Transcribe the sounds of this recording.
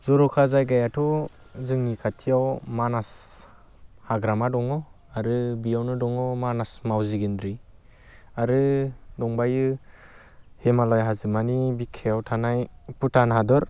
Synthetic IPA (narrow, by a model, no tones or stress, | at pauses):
zɔɾɔkʰazajɡajatʰu | zɯŋnikʰatʰijawmanas | haɡɾamadɔŋɔ | aɾɯbijawnɯdɔŋɔmanasmawziɡindɾi | aɾɯdɔŋbajɯ | hemalɔjɦazɯmanibikʰːejawtʰanajputʰanɦadɔɾ